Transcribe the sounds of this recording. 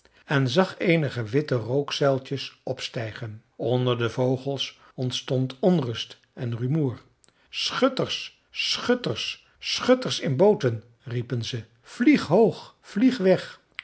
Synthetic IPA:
ɛnzɑχejnəχəʋɪtərowksɛlˠtəsɔpstɛjχənɔndəɹdəvowχəlˠs | ɔntstɔntɔnrɵst | ɛnrymuːɹ | sχøtəɹs | χøtəɹsː | χɵtəɹsɪnbowtən | ripənzə | v̥liχɦowχ | v̥liχʋɛχ

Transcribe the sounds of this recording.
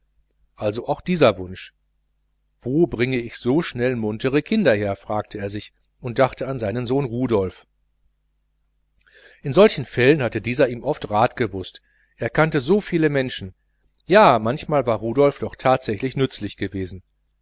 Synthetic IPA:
ʔalzoʔaʊxd̥iːzɐvʊnʃ | v̥oːbʁɪŋəɪçz̥oːʃnɛlmʊntəʁəkʰɪndɐheːɐfʁ̥aːk̚tʰəeːɐzɪç | ʔʊnt̚d̥aχtəanzaɪnənzoːnʁuːdɔlf | ʔɪnzɔlçn̩fɛlənhatədiːzɐiːmʔɔftʁaːtɡ̥əvʊst | ʔeːɐkʰantəzoːfiːləmɛnʃn̩ | jaːmançmaːlvaːɐʁuːdɔlfd̥ɔχtʰaːtz̥ɛçlɪçnʏt͡slɪçɡ̥əveːzn̩

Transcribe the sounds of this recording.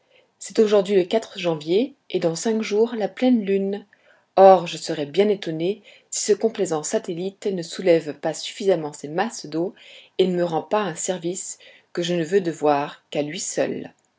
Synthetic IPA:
sɛt̪oʒuʁd̪ɥiləkat̪χəʒɑ̃vjeed̪ɑ̃sɛ̃kʒuʁlaplɛnlyn | ɔʁʒəsəʁɛbjɛ̃net̪ɔne | si̥səkɔ̃plezɑ̃sat̪elit̪nəsulɛvpasy̥fizamɑ̃semasd̪oenəməʁɑ̃paɛ̃sɛʁvis | kəʒənəvød̪əvwaʁkalɥisœ̰l

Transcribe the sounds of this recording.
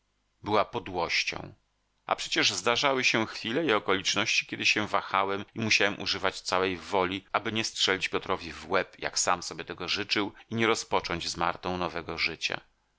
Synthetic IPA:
bɘwapɔd̪wɔɕt͡ɕɔ̰̃w̃ | a̰pʂɛt͡ɕɛʐzd̪aʐawɘɕɛ̃xfʲilɛiɔkɔlʲit͡ʂnɔɕt͡ɕi̥kʲjɛd̪ɘɕɛ̃vaxawɛmimuɕawɛmʔṵʐɘvat͡ɕt̪sawɛjvɔlʲiabɘɲɛstʂɛlʲit͡ɕpʲjɔt̪ɾɔvʲivwɛpja̰ksamsɔbʲjɛt̪ɛɡɔʐɘt͡ʂɘwiɲɛɾɔspɔt͡ʂɔɲd͡ʑzmaɾt̪ɔ̃w̃nɔvɛɡɔʐɘt͡ɕa̰

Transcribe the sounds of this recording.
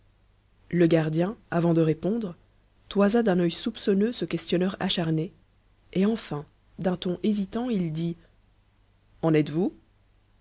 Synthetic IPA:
ləɡaʁd̪jɛ̃avɑ̃d̪əʁepɔ̃d̪ʁə | t̪wazad̪ɛ̃nœjsupsɔnøsəkʲɛst̪jɔnœʁa̰ʃaʁne | eɑ̃fɛ̃ | d̪ɛ̃t̪ɔ̃ʔezit̪ɑ̃ild̪i | ɑ̃nɛt̪vu

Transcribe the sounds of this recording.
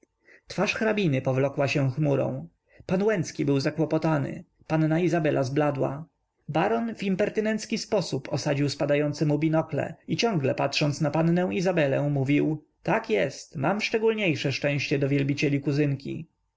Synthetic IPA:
t̪faʂxɾabʲinɘpɔvlɔkwaɕɛ̃xmuɾɔ̰̃w̃ | panwɛnt̪skʲibɘwzakwɔpɔt̪anɘ̰ | panːaizabɛlʔazblad̪wa̰ | baɾɔnvimpɛɾt̪ɘnɛnt̪skʲispɔsupʰɔsad͡ʑiwspad̪ajɔnt̪sɘmubʲinɔklɛ̰it͡ɕɔ̃ŋɡlɛpatʂɔnt̪snapanːɛw̃izabɛlɛ̃muvʲiw | t̪akjɛst̪mamfʂt͡ʂɛɡulɲejʂɛʂt͡ʂɛ̃w̃ɕt͡ɕɛd̪ɔvʲjɛlbʲit͡ɕɛlʲikuzɘŋkʲḭ

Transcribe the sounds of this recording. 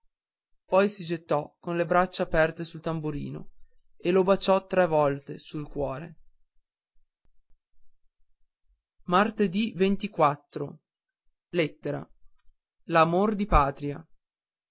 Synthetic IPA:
pɔjsid͡ʒet̪ːɔkonlebɾat͡ʃːaːpɛrt̪esult̪ambuɾḭːno̰ | elobat͡ʃːɔt̪ɾɛvɔlt̪esulkwɔːɾe | mart̪ed̪ivent̪ikwat̪ːɾo | let̪ːeɾa̰ | lamord̪ipaːt̪ɾia̰

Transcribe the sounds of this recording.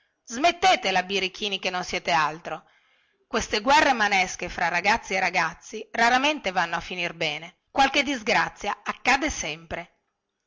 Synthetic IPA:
zmet̪ːeːt̪elabiɾik̟ʰiːnik̟enːonsjɛːt̪ealt̪ɾo | kwest̪eɡwɛrːemanɛskefɾarːaɡat̪sːierːaɡat̪sːiraɾament̪evanːoafːinirbɛːne | kwalked̪izɡɾat̪sːjaakːaːd̪esɛmpɾe

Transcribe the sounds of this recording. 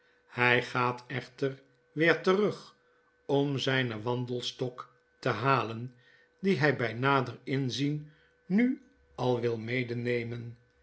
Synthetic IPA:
hɛjχaːtɛχtər | ʋɪːɹtərɵχ | ɔmzɛjnəʋɑndəlˠstɔk | təɦaːlən | diɦɛjbɛjnaːdərɪnzin | ny | ʔɑlˠʋɪlˠmejdənejmən

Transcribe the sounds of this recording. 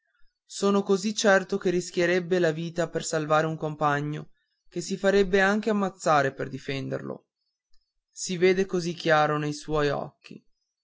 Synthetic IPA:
soːnokozit͡ʃːɛrt̪ok̟erːisk̟jeɾebːelaviːt̪apersalvaːɾeuŋkompaɲːo̰ | k̟esifaɾebːeaŋk̟eamːat̪sːaːɾeperd̪ifɛnd̪ḛrlo̰ | siveːd̪ekozikːjaːɾonejswɔjɔ̰kːḭ

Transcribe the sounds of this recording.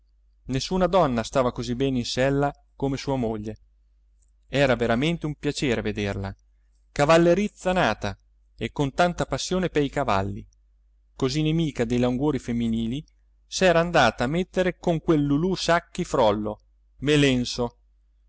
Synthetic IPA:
nesːuːnad̪ɔnːast̪aːvakozibːɛːninsɛlːa | komesuːamoʎːe | ɛːɾaveɾament̪eumpjat͡ʃeːɾeved̪erla̰ | kavalːeɾit̪sːanaːt̪a | ekːont̪ant̪apasːjoːnepeikava̰lːḭ | kozinemiːkad̪ejlauŋɡoːɾifemːiniːli | sɛːɾaːnd̪aːt̪aːmːet̪ːeɾekoŋkwelːulusakːifɾɔlːo | melɛnso

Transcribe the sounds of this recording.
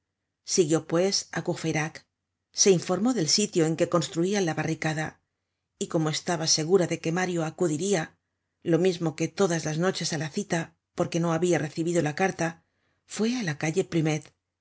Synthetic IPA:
siɣjo̞pwe̞sa̰kufeɾak | se̞iɱfo̞ɾmo̞ðe̞lsit̪joe̞ŋke̞ko̞nst̪ɾuialaβarikaða | iko̞mo̞e̞st̪aβase̞ɣ̞uɾaðe̞ke̞maɾjo̞akuðiɾia | lo̞mizmo̞ke̞t̪o̞ðazlazno̞t͡ʃe̞salaθit̪a | po̞ɾke̞no̞aβiare̞θiβiðo̞lakaɾt̪a | fwe̞alakaʎe̞pɾime̞t̪

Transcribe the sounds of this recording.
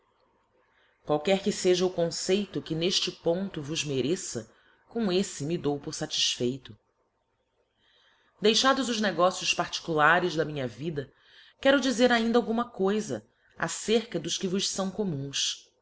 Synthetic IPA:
kwawkɛɾkɪseʒɐukõsejt̪ʊkɪneʃt͡ʃɪpõnt̪ʊvʊzmeɾesɐ̰ | kõw̃esɪmid̪owpʊɾsat͡ʃi̥ʃfejt̪ʊ | d̪ejʃad̪ʊzʊʒneɡɔsijʊspaɾt͡ʃi̥kulaɾɪzd̪ɐmĩɲɐvid̪ɐ | kɛɾʊd͡ʒizeɾaĩnd̪awɡũmɐkojzɐ | a̰seɾkɐd̪ʊʃkɪvʊʃsɐ̃w̃komũs

